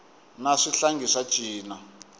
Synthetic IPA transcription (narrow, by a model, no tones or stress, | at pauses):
naʂiɬaŋɡʱiʂḁt͡ʃʼiːna